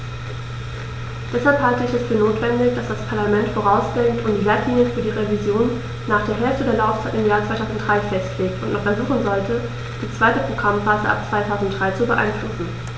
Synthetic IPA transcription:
d̥ɛshalphaltəɪçɛsfyːɐnoːtv̥ɛndɪçd̥asd̥aspʰaɐlamɛntfoːʁ̞aʊsɡ̥ɛŋtʊmdilaɐtʰliːnjəfyːɐdiːʁevizjoːnː | aːχd̥eːɐɦɛlftədeːɐlaʊft͡saɪtɪmjaːɐt͡sv̥aɪaʊzn̩t̚d̥ʁaɪfɛstleːk̚tʊntnɔχfɛɐzuːχn̩zɔltʰə | d̥iːt͡sv̥aɪtəpʁ̥oɡʁamfaːzə̰ʔa̰p̚t͡sv̥aɪtʰaʊzn̩t̚d̥ʁaɪt͡subəʔa̰ɪnflʊsn̩

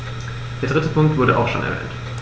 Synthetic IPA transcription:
d̥eːɐdʁɪtəpʰʊŋk̚tv̥ʊɐɾəʔa̰ʊxʃo̰ːnʔɛ̰ɐvɛ̰ːnt

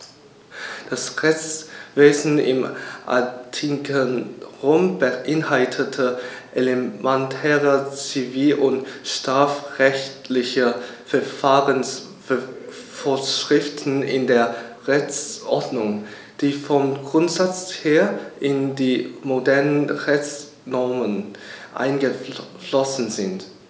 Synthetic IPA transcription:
d̥asʁɛçt͡sveːzn̩ɪ̰mʔa̰tʰikənʁoʊmbəʔɪnhaltʰətʰəʔelemɛntʰɛːʁət͡siviːlʔʊntʃtʁ̥aːfʁɛçtlɪçəfɛɐfaːʁəns | f | foːɐʃʁ̥ɪftn̩ɪ̰ndeːɐʁɛçt͡sʔɔɐdnʊŋ | d̥iːfɔmɡʁʊntz̥at͡sheːɐʔɪndiːmodɛɐnənʁɛçt͡s | nɔɐmənʔa̰ɪnɡəflɔsn̩zɪnt

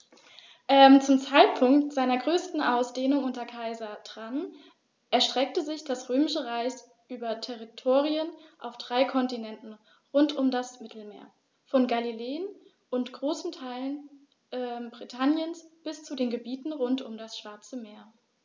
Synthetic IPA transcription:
ʔɛmt͡sʊmt͡saɪt̚pʰʊŋktz̥aɪnɐɡʁøːstn̩ʔaʊsd̥eːnʊŋʔʊntɐkʰaɪzɐtʁ̥am | ʔɛɐʃtʁ̥ɛk̚təzɪçd̥asʁøːmɪʃəʁaɪs | ʔyːbɐtʰɛʁitʰoːʁiənʔaʊfd̥ʁaɪkʰɔntinɛntn̩ | ʁʊntʊmdasmɪtʰl̩mḛːɐ | fɔnɡalileːən | ʔʊntɡ̥ʁoːsn̩tʰaɪlən | ʔɛbʁitʰanjənsb̥ɪst͡sudeːnɡəbiːtn̩ʁʊntʊmdasʃv̥aɐt͡səmeːɐ

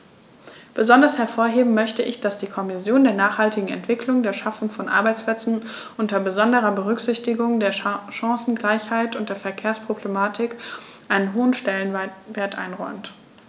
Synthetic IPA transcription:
b̥əzɔndɐshɛɐfoːɐɦeːbm̩mœçtəʔɪçd̥asd̥iːkʰɔmɪsjoːndeːɐnaːχhaltɪɡŋ̩ɛ̰ntv̥ɪkʰlʊŋdeːɐʃafʊŋfɔnʔa̰ɐbaɪt͡splɛt͡sn̩ʔʊntɐbəzɔndəʁ̞ɐbəʁ̞ʏkz̥ɪçtɪɡʊŋdeːɐʃãŋsn̩ɡlaɪçhaɪtʊnt̚d̥eːɐfɛɐkʰeːɐspʁ̥oblemaːtʰɪkʔaɪnənɦoːənʃtɛlənveːɐtʔa̰ɪnʁɔʏmt

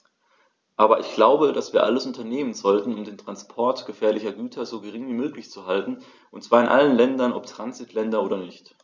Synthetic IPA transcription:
ʔaːbɐʔɪçɡ̥laʊbədasv̥iːɐʔaləsʔʊntɐneːmənzɔltn̩ʊmdeːntʁ̥anspʰɔɐtɡ̥əfɛːɐlɪçɐɡyːtʰɐzoːɡəʁ̞ɪŋviːmøːklɪçt͡suɦaltn̩ | ʔʊntt͡sv̥aːɐɪnʔa̰lənlɛndɐnɔptʁ̥anzɪtʰlɛndɐʔoːɾɐnɪçt

